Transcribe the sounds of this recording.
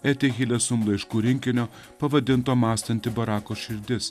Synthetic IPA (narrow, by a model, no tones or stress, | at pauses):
æːt̪ʲeɣʲilʲɛsʊmlˠɐɪʃkuːɾʲɪŋʲkʲɪnʲoː | pɐʋɐd̪ʲɪnt̪oːmɑːst̪ɐnʲt̪ʲɪbɐɾɑːkoːʃʲɪɾʲd̪ʲɪs